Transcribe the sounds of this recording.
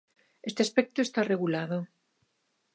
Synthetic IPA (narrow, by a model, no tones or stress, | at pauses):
est̪easpek̚t̪oest̪areɣulaðo